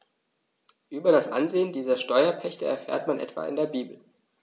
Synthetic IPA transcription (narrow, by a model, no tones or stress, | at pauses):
ʔyːbɐɾasʔa̰nzeːəndiːzɐʃtɔʏɐpʰɛçtəɛ̰ɐfḛːɐtmanʔɛ̰tv̥a̰ːɪ̰ndeːɐbiːbl̩